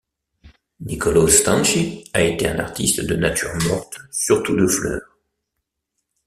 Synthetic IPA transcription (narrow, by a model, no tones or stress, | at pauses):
nikɔlost̪ɑ̃nʃiaet̪eɛ̃naʁt̪ist̪d̪ənat̪yʁmɔʁt̪syʁt̪ud̪əflœ̰ːʁ